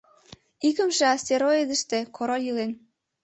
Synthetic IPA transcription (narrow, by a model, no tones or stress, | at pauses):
ikə̆mʃĕɑst̪eɾoed̪ə̆ʃt̪ekʰoɾojilen